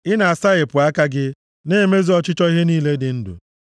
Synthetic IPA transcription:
ɪ˦na˨a˨sa˦ɣe˨pʊ˨a˦ka˦ɡɪ˦ | neː˦me˦zi˦ɔ˦t͡ʃɪ˦t͡ʃɔ˦i˦ɦe˦niː˦le˦dɪ˨n̩˦dṵ˨

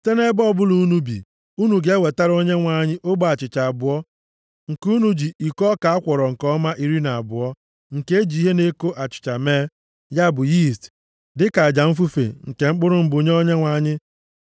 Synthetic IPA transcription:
te˦ne˦bɔ˦˨bʊ˦lu˨˦nu˦bḭ˨ | u˦nu˨ɡe˨˦we˨ta˦ɾo˦ɲe˦ŋʷa˦ɲɪ˦ʔo˦ɡ͡ba˨t͡ʃɪ˨t͡ʃa˨a˨bʊ˨ɔ˦ | ŋ̩˨ku˦nu˦d͡ʒi˨i˨kɔ˦ka˨a˦kʷɔ˨ɾɔ˨ŋ̩˨kɔ˦ma˦ʔi˦ɾi˦na˨a˨bʊ˨ɔ˦ | ŋ̩˨ke˦e˦d͡ʒi˨˦i˦ɦe˦ne˦ko˦ʔa˨t͡ʃɪ̥˨t͡ʃa˨meː˦ | ja˦˨bʊ˨ji˦˨st | dɪ˦ka˨a˨d͡ʒa˨m̩˦fu˦fḛ˨ŋ̩˨ke˨ŋ͡m̩˦k͡pʊ˦ɾʊ˦m̩˦bo˨ɲ˦o˦ɲe˦ŋʷa˨˦ɲɪ˦

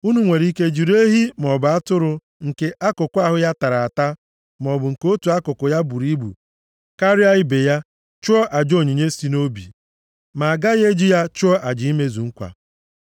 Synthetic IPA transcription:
u˦nu˨ŋʷe˨ɾi˦ke˦d͡ʒi˨ɾe˦ɦi˦m˨ɔ˨bʊ˨a˦tʊ˦ɾʊ˨ | ŋ̩˨ke˦ʔa˦kʊ˨kʷa˦ɦʊ˦ja˦ta˨ɾa˨a˨ta˦ | m˨ɔ˨bʊ˨ŋ̩˨ko˦tu˨a˦kʊ˨kʊ˨ja˦bu˨ɾi˦bṵ˨ | ka˦ɾɪ˦a˦ɪ˦be˨ja˦ | t͡ʃʊ˦ɔ˦ʔa˨d͡ʒo˨ɲi˨ɲe˦si˦no˦bḭ˨ | ma˨a˨ɡa˦ɣe˦d͡ʒi˦ja˦t͡ʃʊ˦ɔ˦ʔa˨d͡ʒɪ˨˦i˦me˦zu˨ŋ̩˦kʷa̰˨

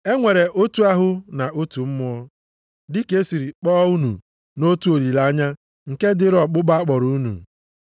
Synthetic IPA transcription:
e˦ŋʷe˨ɾe˨ʔo˦tu˦a˦ɦʊ˦na˨ʔo˦tu˨m̩˦mʊ˦ɔ˦ | dɪ˦ke˦si˨ɾi˨k͡pɔː˦u˦nṵ˨ | no˦tu˦o˨ɾi˨la˦ɲa˦ | ŋ̩˨ke˦dɪ˦ɾɔ˨k͡pʊ˦ba˦a˦k͡pɔ˨ɾu˦u˦nṵ˨

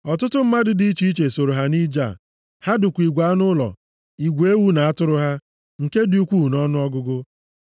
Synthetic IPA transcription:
ɔ˨tʊ˦tʊ˦m̩˦ma˦dɪ˦di˦i˦t͡ʃi˦i˦t͡ʃe˨so˨ɾo˨ɦa˦ni˦d͡ʒa̰˦˨ | ha˦dʊ˨kʷi˨ɡʷa˨˦nʊ˦lɔ̰˨ | i˨ɡʷe˦wu˦na˨a˦tʊ˦ɾʊ˦ɦa˦ | ŋ̩˨ke˦di˨u˦kʷu˦˨nɔ˦nʊ˦ɔ˦ɡʊ˦ɡʊ˦

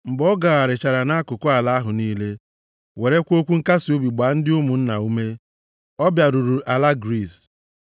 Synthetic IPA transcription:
m̩˨bɔ˦ɡa˨ɣa˨ɾɪ˨t͡ʃa˨ɾa˨na˦a˦kʊ˨kʊ˦a˨la˦a˦ɦʊ˨niː˦le˦ | we˨ɾe˦kʷo˦kʷu˦ŋ̩˦ka˦si˨u˦bi˨ɡ͡ba˨˦n̩˦dɪ˦ʊ˦mu˨n̩˦na˨u˦me˦ | ɔ˦bja˨ɾu˨ɾu˨ʔa˨la˦ɡɾi˦˨s

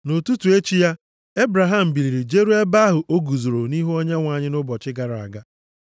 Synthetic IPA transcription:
no˨tu˦tu˨e˦t͡ʃi˦ja˦ | e˦bɾa˨ɦa˦m̩˨bi˨ɾi˨ɾi˨d͡ʒe˦ɾu˦e˦ba˦ɦʊ˨ʔo˦ɡu˨zo˨ɾo˨ni˦ɦu˦ɔ˦ɲa˦ŋʷa˨ɲɪ˦nʊ˦bɔ˨t͡ʃɪ˦ɡa˨ɾa˨a̰˨ɡa˦

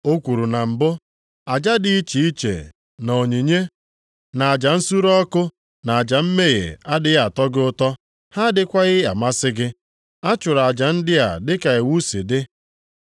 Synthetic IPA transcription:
o˦kʷu˨ɾu˨na˨m̩˨bʊ˦ | a˨d͡ʒa˦dɪ˦i˦t͡ʃi˨i˦t͡ʃḛ˨ | no˨ɲi˨ɲe˦ | na˨a˨d͡ʒa˨n̩˦su˦ɾɔ˦kʊ˦ | na˨a˨d͡ʒa˨m̩˦me˦ɣḛ˨a˦dɪ˦ɣa˨tɔ˦ɡɪ˦ʊ˦tɔ˦ | ha˦dɪ˨kʷa˦ɣɪ˦a̰˨ma˦sɪ˦ɡɪ˦ | a˦t͡ʃʊ˨ɾa˨d͡ʒa˨n̩˦dɪ˦a̰˨dɪ˦ka˨e˨wu˦sḭ˨dɪ˦

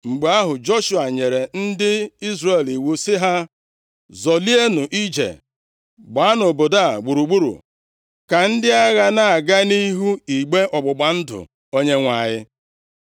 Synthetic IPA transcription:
ŋ͡m̩˨ɡ͡ba˦ɦʊ˨d͡ʒo˦ʃu˨a˨ɲe˨ɾe˨n̩˦dɪ˦i˦zre˨li˨wu˨sɪ˦ɦa˦ | zɔ˨li˦e˦nʊ˨ʔi˦d͡ʒḛ˨ | ɡ͡ba˨˦a˦nʊ˨bo˨da˦˨ɡ͡bu˨ɾu˨ɡ͡bu˦ɾṵ˨ | ka˨n̩˦dɪ˦a˦ɣa˦na˦a˨ɡa˦ni˦ɦu˦i˨ɡ͡be˦ʔɔ˨ɡ͡bʊ˨ɡ͡ba˨n̩˦dʊ̰˨ | o˦ɲe˦ŋʷa˨ɲɪ˦

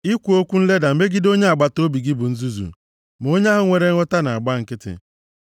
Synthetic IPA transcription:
i˦kʷu˨o˦kʷu˦n̩˦le˦da˨m̩˦me˦ɡi˦do˦ɲe˦a˨ɡ͡ba˦to˦bi˨ɡɪ˦bʊ˨n̩˦zu˦zṵ˨ | m˨o˦ɲa˦ɦʊ˦ŋʷe˨ɾe˦ɔ˦ta˦na˨a˨ɡ͡ba˦˨ŋ̩˨kɪ˦tɪ̰˨

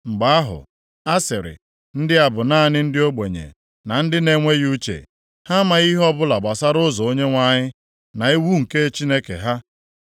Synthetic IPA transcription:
ŋ͡m̩˨ɡ͡ba˦a˦ɦʊ̰˨ | a˦sɪ˨ɾɪ̰˨ | n̩˦dɪ˦a˨bʊ˨na˦nɪ˦n̩˦dɪ˦o˦ɡ͡be˨ɲḛ˨ | na˨n̩˦dɪ˦ne˦ŋʷe˦ju˦t͡ʃḛ˨ | ha˦ma˨ɣi˦ɦɔ˦bʊ˦la˨ɡ͡ba˨sa˦ɾʊ˦zɔ˨o˦ɲe˦ŋʷa˦ɲɪ˦ | na˨i˦wu˦ŋ̩˨ke˦t͡ʃi˦ne˦kḛ˨ɦa˦

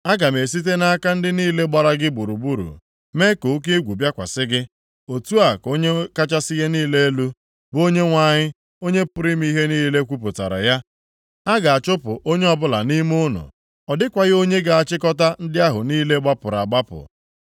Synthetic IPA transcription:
a˦ɡa˨m˨e˨si˦t̬e˦na˦a˦ka˦n̩˦dɪ˦niː˦le˦ɡ͡ba˨ɾa˦ɡɪ˦bu˨ɾu˨bu˦ɾṵ˨ | me˦ko˨˦k̬e˦ɡʷu˨bja˦kʷa̰˨sɪ˦ɡɪ˦ | o˨tu˦a˨ko˦ɲe˦ka˦t͡ʃa˦sɪ˦ɣe˦niː˦le˦e˦lu˦ | bo˦ɲe˦ŋʷa˦˨ɲɪ˦ | o˦ɲe˦pʊ˨ɾɪ˦m˦i˦ɦe˦niː˦le˦kʷu˦pʊ˨ta̰˨ɾa̰˨ja˦ | a˦ɡa˨a˨t͡ʃʊ˦pʊ̰˨ʔo˦ɲe˦ɔ˦bʊ˦la̰˨ni˦m˦ʊ˦nʊ̰˨ | ɔ˨dɪ˦kʷa˨ɣɪ˦o˦ɲe˦ɡa˨a˨t͡ʃɪ˦kɔ˦ta˦n̩˦dɪ˦a˦ɦʊ˨niː˦le˦ɡ͡ba˦pʊ˨ɾa̰˨ɡ͡ba˦pʊ̰˨

